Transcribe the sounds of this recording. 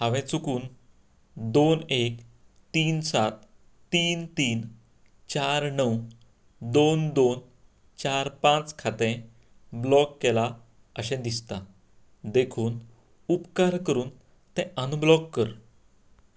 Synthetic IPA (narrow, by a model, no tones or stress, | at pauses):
hãʋɛ̃t͡sukuːn | d̪onek | t̪iːnsat̪ː | iːnt̪iːn | t͡ɕaɾnəw | d̪ond̪on | t͡ɕaɾpãt͡skʰat̪ẽ | blɔkːela | əɕɛ̃d̪ist̪a | d̪ekʰuːn | upkaɾkəɾuːn | t̪ɛ̃ənublɔkːəɾ